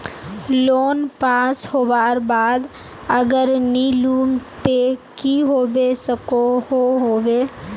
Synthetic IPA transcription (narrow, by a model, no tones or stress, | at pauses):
loːnpaːshoːbaːɾbaːd̪ | əɡəɾniluːmt̪ekiɦoːbesəkohoɦoːʋeː